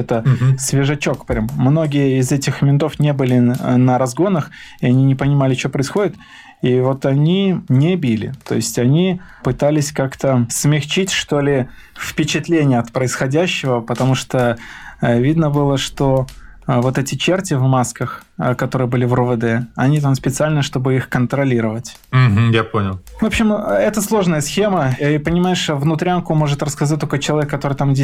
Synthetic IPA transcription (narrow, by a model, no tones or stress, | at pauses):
ɛt̪əsvʲɪʐɐt͡ɕo̞kpɾʲamːno̞ɡʲɪjəɪzɛtʲɪxmʲɪnt̪o̞fnʲe̞bɨlʲɪnəɾɐzɡo̞nəxɪɐnʲinʲɪpənʲɪmalʲɪt͡ɕo̞pɾəɪsxo̞dʲɪt̪ | ivo̞t̪ɐnʲinʲɪbʲilʲɪ̰t̪o̞̰ɪsʲtʲɐnʲipɨt̪alʲɪsʲkakt̪əsmʲɪxt͡ɕitʲʂt̪o̞lʲɪ | fpʲɪt͡ɕɪt̪lʲenʲɪjəɐt̪pɾəɪsxɐdʲæɕːɪvəpət̪ɐmuʂt̪o | vʲid̪nəbɨlˠəʂt̪o̞vo̞t̪ɛtʲɪt͡ɕertʲɪvmaskəxkɐt̪o̞ɾɨjəbɨlʲɪvrɨvɨd̪ɛɐnʲit̪amspʲɪt̪sɨalʲnəʂt̪o̞bɨixkənt̪ɾɐlʲiɾəvətʲ | m̩ɦ̩japonʲɪlˠvopɕːɪmɛt̪əslˠo̞ʐnəjəsxʲe̞məipənʲɪmajɪʂvnʊt̪ɾʲankʊmo̞ʐɨt̪ɾrəskɐzat̚ʲt̪okət͡ɕɪlˠɐvʲekːɐt̪o̞ɾɨjt̪amdʲe